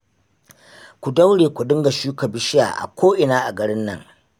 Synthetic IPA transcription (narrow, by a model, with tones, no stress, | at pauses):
kʷu˨da˦wɽeː˨kʷu˨dɪ˦ŋɡa˨ʃuː˦kɐ˨bɪ˦ʃɪ˦ja̰ː˨ʔa̰˨kʷoː˦ʔɪ˨naː˦ʔa˨ɡɐ˨ɽɪ˦nːɐ̰˦˨ŋ